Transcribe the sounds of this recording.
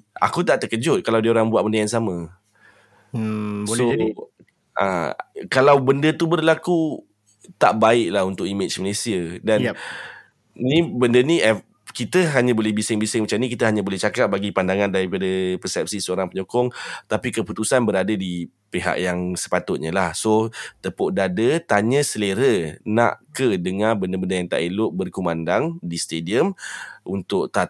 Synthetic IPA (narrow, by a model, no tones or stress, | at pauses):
a̰kut̪aʔt̪əkəd͡ʒʊt̪̚kalawdiəoɾaŋbuat̪̚bəndaansamã | so | ʔa̰kalawbəndət̪ubərlaku | t̪aʔbaɪʔlaɦunt̪ʊk̚imɪt͡ʃməlesiədan | nibəndəniʔɛf | kit̪əɦaɲãbolɛhbisɪŋbisɪŋmət͡ʃamnikit̪əɦaɲãbolɛht͡ʃakap̚baɡipandaŋãndaɾipadəpəsɛp̚sisəoɾaŋpəɲokɔŋt̪apikəput̪usanbəɾadədi | peɦa̰ʔjaŋsə̥pat̪ʊt̪̚ɲəlahsot̪əpoʔdadət̪aɲəsəleɾəna̰ʔkədəŋabəndəbəndəjaŋt̪a̰ʔilʊʔ̚bərkumandaŋdist̪ediəmunt̪ʊʔt̪a